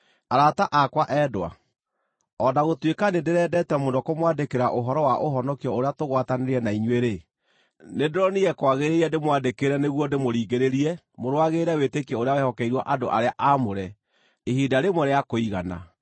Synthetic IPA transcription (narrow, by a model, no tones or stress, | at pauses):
aɾataʔakwaʔɛːdowa̰ | ɔdaɣotwekanedeɾɛːdɛtɛmondɔkomwadekeɾaʔoɦɔɾɔwaʔoɦɔnɔkiɔoɾeatoɣwataneɾɛnaiɲweɾe | nedoɾɔniɣɛkwaɣeɾeiɛdemwandekeɾɛneɣwɔndemoɾiːɣeɾeɾiɛ | moɾwaɣeɾɛwetekiɛoɾeawɛhɔkɛiɾwaʔadoʔaɾeaʔamoɾɛ | ehidaɾemwɔɾeakoiɣa̰na̰